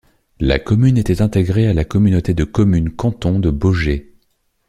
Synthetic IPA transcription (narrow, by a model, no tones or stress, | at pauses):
la̰kɔmynet̪ɛt̪ɛ̃t̪eɡʁealakɔmynot̪ed̪əkɔmynkɑ̃t̪ɔ̃d̪əboʒe